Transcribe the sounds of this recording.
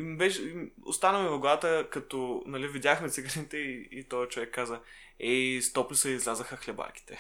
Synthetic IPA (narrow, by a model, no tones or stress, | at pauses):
imbɛʃɛimo̰st̪anəmɛvɐɡat̪əkɐt̪ɔnɐlivid̪ʲjaxmɛt̪siɡəɾnit̪ɛiit̪ɔjɐt͡ʃovɛkːazə | ɛst̪ɔplisəizlʲazəxəxlɛba̰ɾki̥t̪ɛ